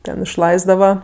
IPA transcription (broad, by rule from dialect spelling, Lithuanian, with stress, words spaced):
ˈtʲɛn ɪʃˈlˠɐɪzdɐʋɐ